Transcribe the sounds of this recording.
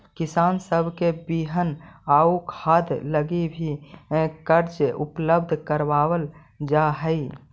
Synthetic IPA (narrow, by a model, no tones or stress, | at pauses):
kisansəbʱkebiɦənaukʰad̪ləɡibʱi | kəɾd͡ʒʔupləbd̪ʱkəɾbabəl | d͡ʒaɦəɪ